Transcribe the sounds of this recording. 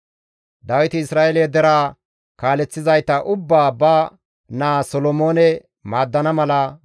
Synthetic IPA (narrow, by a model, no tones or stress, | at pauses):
d̪ɐwɪt̪ɪɪsɾaːʔeled̪ɛɾaː | kaːlɛt͡sːɪzɐjt̪ːɐʔʊbːaːbɐ | naːsɔlɔmo̞ːnɛ | maːd̪ːɐnɐmɐlɐ